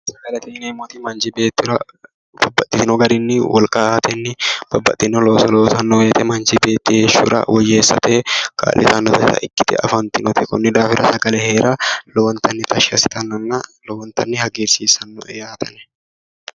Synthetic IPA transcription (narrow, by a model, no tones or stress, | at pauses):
sɐɡɐlɛt̪iːnɛɪmːɔt̪ɪmɐnd͡ʒɪbeːt̪ːɪɾɐ | b̥ɐbːɐt̪ʼːɪt̪ɪnɔɡɐɾɪnːɪwɔlkʼɐhɐt̪ʰɛnːɪb̥ɐbːɐt̪ʼːɪnɔloːsɐloːsɐnːɔweːt̪ɛmɐnd͡ʒɪbe̞ːt̪ːɪheːʃṵɾɐ̰wɔjːeːsːɐ̰t̪ʰeːka̰ːlʔɪ̰t̪ɐnːɔt̪ɛtɐ̰ʔɪkːɪ̥t̪ɪ̰ɐ̰fɐnt̪ɪnɔt̪ɛkʊnːɪd̪aːfɪɾɐsɐɡɐlɛheːɾʔɐlɔwɐnt̪ʰɐnːɪt̪ʰɐʃɐsɪ̥t̪ɐnːɐnːɐlɔwɐnt̪ɐnːɪhɐɡiːɾsiːsɐnːɔ̰ʔɛjaːt̪ʰɐnɛ̥